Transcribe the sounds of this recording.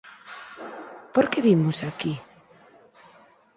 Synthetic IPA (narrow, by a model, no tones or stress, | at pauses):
poɾkeβimosaki